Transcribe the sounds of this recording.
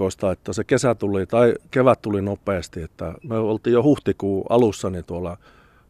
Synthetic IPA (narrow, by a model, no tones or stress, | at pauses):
ost̪ɑet̪ːæsekesæt̪ulit̪ɑikeʋæt̪t̪ulinopːˑeːst̪iet̪ːæmøolt̪iːjjohuht̪ikuːɑ̰lusːɑnit̪uolɑ